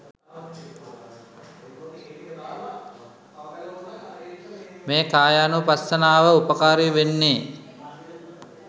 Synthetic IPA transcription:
meːkaːjanupasːɐnaːʋəupəkaːɾiʋenːeː

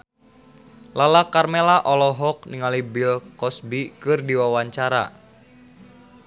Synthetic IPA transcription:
lalakarmelaʔɔlɔɦɔk̚niŋalibilkɔsbikɨrdiwawaɲt͡ʃaɾa̰

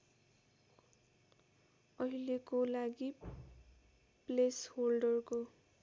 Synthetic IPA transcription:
ʌɦilekolaɡi | plesholɖʌrko

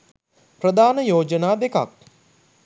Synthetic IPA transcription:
pɾəd̪aːnəjoːd͡ʒənaːd̪eka̰k̚

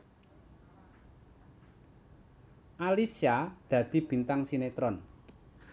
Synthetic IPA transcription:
ʔalisiad̪̥ä̤d̪̥i̤b̥i̤nt̪aŋsinet̪ɾɔn

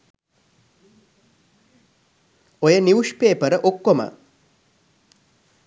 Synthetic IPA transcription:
ojəniwuʂpeːpəɾəʔokːomə̰

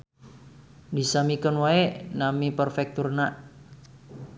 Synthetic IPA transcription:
d̪i̤samikənwaeʔnamipərfɛk̚t̪urnaʔ

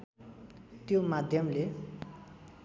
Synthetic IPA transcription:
t̪jomad̪ʱjʌmle

